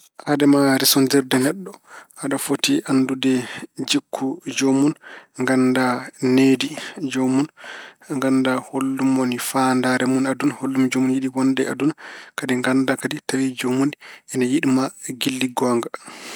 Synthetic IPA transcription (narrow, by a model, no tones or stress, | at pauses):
hadɛmaɾisɔndɛɾdɛnɛɗːɔhaɗafotiʔandudɛd͡ʒikʰːud͡ʒomunŋɡandanedid͡ʒomunŋɡandaholːumonifandaɾɛmunadunaholːumd͡ʒomunjiɗiwɔndɛadunakadiŋɡandakaditawid͡ʒomuniɛnɛjiɗimaɡilːiɡɔŋɡa